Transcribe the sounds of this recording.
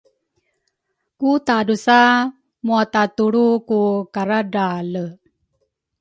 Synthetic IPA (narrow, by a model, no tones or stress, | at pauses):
kut̪adusa | muat̪at̪uɽukukaɾadalə